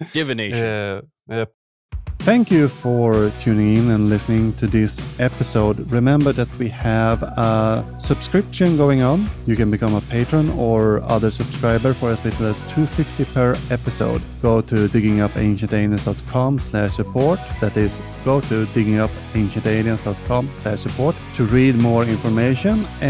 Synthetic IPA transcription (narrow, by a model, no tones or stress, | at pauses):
d̥ɪvɨne | ɛ | θæ̃ŋkjɨfə˞tʰʉːnɪ̃ŋɪ̃nɨ̃nlɪsnɪ̃ŋtʰɨðɪsɛpɨsoʊdɹɨmɛ̃mbə˞ðɨt̚wiævə | sʌb̥skɹɪpʃɨ̃nɡoʊɪ̃ŋə̃njɨkɨ̃nbɨkʰʌ̃məpʰeɪtɹə̃nə˞ʌ̰ðə˞sɨb̥skɹaɪbə˞fə˞ʌsletl̩ˠæstʰʉfɪftipʰə˞ɛpɨso̰ʊd | ɡ̥oʊtʰɨdɪɡɪ̃ŋʌpḛ̃ɪ̃nʃɨ̃nteɪnɨ̃nsd̥ɔtkʰɑ̃mslæʃsɨpʰɔɹt̚ðæɾɪz | ɡ̥oʊɾʰɨdɪɡɪ̃ŋʌp | ẽɪ̃nʃɨ̃nteɪɾiə̃nsd̥ɔt̚kʰɑ̃mslæʃsɨpʰɔɹttʰɨɹid̚mɔɹɪ̃nfə˞meɪʃə̃n